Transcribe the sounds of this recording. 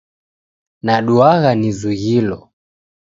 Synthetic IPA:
naɗuaɣanizuɣilɔ

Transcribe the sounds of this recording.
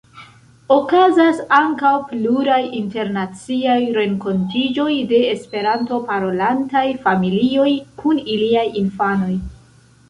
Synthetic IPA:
o̞kazasaŋkawpluɾajinte̞ɾnat͡siajɾe̞ŋko̞ntid͡ʒo̞jde̞ːspe̞ɾanto̞paɾo̞lantajfamilio̞jkʰuniliajinfano̞j

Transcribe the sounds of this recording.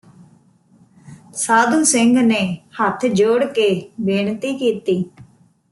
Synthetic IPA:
saːd̪ũːsɪŋɡneːhət̪ʰd͡ʒoːɽkeːbeːɳt̪iːkiːt̪iː

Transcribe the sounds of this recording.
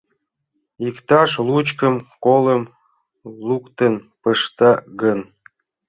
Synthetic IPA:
ikt̪ɑʃlut͡ɕkə̆mkoləm | lukt̪ə̆npəʃt̪ɑɣən

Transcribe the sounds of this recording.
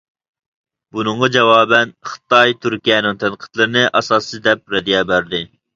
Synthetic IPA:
bunɨɴʁɑd͡ʒɛwɑːbɛnχɨ̥t̪ɑjt̪ʰyɾkʲijɛnɨŋt̪ʰɛnqʰə̥t̪ʰlˠɨɾɨnɨʔɑsɑːsɨd̪ɛp̚ɾɛd̪ijɛbæɾd̪ɪ

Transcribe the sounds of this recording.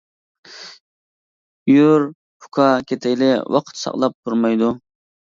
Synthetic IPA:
juɾ | pʰʊ̥kʰɑkʲet̪ʰɪjlɪwɑ̰qʰə̥t̪sɑ̰qlˠɑp̚t̪ʰuɾmɑjd̪u

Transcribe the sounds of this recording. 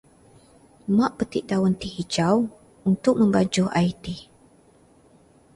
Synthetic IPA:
maʔpət̪iʔdawənt̪ihid͡ʒaw | unt̪ʊk̚mə̃mbad͡ʒʊʔa̰jit̪i

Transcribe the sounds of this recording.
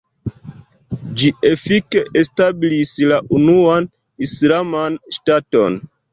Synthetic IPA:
d͡ʒie̞fike̞ʔestabilislaʔunuan | islamanʃtato̞̰n

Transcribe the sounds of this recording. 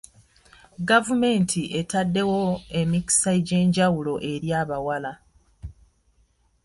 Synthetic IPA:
ɡavume̞ːntʰiʔe̞tadːe̞wo̞e̞miki̥saiɟe̞ːɲɟawulo̞ʔe̞ɾjaːβawala

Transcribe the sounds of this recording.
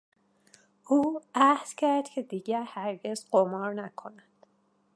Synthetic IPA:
ʔuːæhd̪̥cʰæɾd̪̥cʰe̞d̪iːɟæɾhæɾɟe̞zɢomɒːɾnækʰo̞nænd̪̥

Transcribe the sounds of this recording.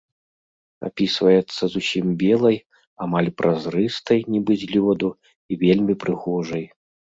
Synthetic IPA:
a̰pʲisvɐjɛt̪sːɐzusʲimbʲɛlˠɐj | amalʲpɾʔazɾɨst̪ɐjnʲibɨzʲlʲɔd̪u | ivʲelʲmʲipɾɨɣɔʐɐj

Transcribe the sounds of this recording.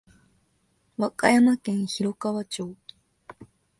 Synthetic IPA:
βaka̰jamakẽ̞ɰ̃çiɾo̞kaβat͡ɕoː

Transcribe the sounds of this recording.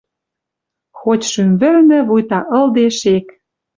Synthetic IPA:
xotʲʃymβɘ̆rnɘ̆βujt̪ɑʔɤ̆ld̪eʃek

